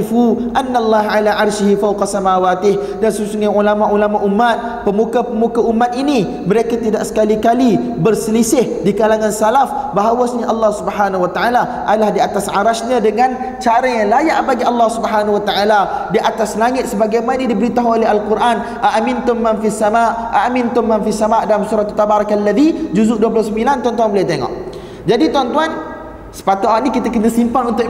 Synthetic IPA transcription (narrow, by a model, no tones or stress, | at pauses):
fuʔanːalˤːaɦʕalaʔarʃɪɦifawqɑsamawat̪ɪh | dansusuŋaulamaʔulamaʔumːat̪̚ | pəmukapəmukaʔumat̪̚ini | məɾekat̪idaʔsə̥kalikalibərsəlisɪhdikalaŋãnsalafbaɦawasɲaʔɑlːɑhsubħanawat̪aʔala | ʔadalahdiat̪asʕaɾaʃɲãdəŋan | t͡ʃaɾajaŋlajaʔbaɡialːɑhsubəɦanawat̪aʔaladiʔat̪aslaŋɪt̪̚səbaɡajmanədibəɾit̪aɦolɛɦalkuɾʔan | ʔaʔamɪnt̪ʊmːãnfisːamaʔʔaʔmɪnt̪ʊmːanfisamaʔdalamsuɾat̪at̪ːabaɾakalːaðid͡ʒuzuʔduəplʊhsəmbilant̪want̪uanbəliat̪eŋɔ̰ʔ | d͡ʒadit̪want̪uan | sə̥pat̪uwaʔnĩkit̪akənəsimpanunt̪ʊʔ